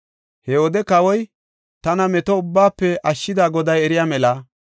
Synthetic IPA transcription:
hɛoːd̪ɛkɐwɔj | t̪ɐnɐmɛt̪ɔʊbːaːpːɛʔɐʃːɪd̪aːɡɔd̪ɐjɛɾɪjaːmɛlɐ

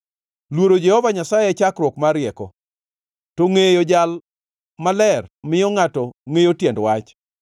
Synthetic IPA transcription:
lwoɾod͡ʒɛhɔvaɲasajɛt͡ʃakɾwɔkmaɾɪɛkɔ̰ | toŋejod͡ʒal | malɛrmɪjɔŋatɔŋejotjɛndwat͡ʃ

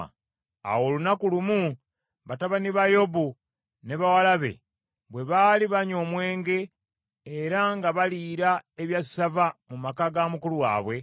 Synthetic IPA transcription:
a̰wo̞ːlunakulumu | βataβaniβajo̞bu | ne̞βawalaβe̞̰ | βwe̞βaːliβaɲo̞ːmwe̞ːŋɡe̞ː | ɾaŋɡaβaliːɾaeβjassavamumakaɡamukuluwa̰ːβwe̞

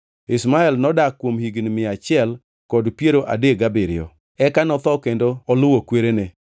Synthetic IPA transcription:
ɪsmaɛlnɔdakːwomhiɡnmɪat͡ʃɪɛl | kɔdpjeɾoʔa̰deɡabɪɾɪ̰ɔ̰ | ɛkanɔt̪ɔkendoɔlʊwokweɾene

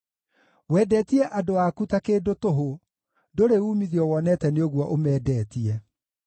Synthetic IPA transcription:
wɛːdɛːtiɛʔadoakutakeːdotoɦo | doɾeuːmiðiɔwɔnɛtɛneoɣwɔʔomɛːdɛːtiɛ

